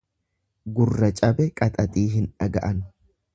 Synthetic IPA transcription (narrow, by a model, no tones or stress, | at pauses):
ɡʊrːɐt͡ʃʼɐbɛkʼɐt̪ʼɐt̪ʼiːɦɪnᶑɐɡɐʔɐn